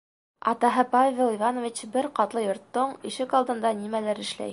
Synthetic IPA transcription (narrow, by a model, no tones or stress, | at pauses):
ɑt̪ɑɦɤpavʲelˠivanŏvʲit͡ɕbɘɾqɑt̪lˠɤjŏɾt̪ːoɴiʃɘkɑlˠd̪ɤ̆nd̪ɑnimælæɾɘ̆ʃlæ̰j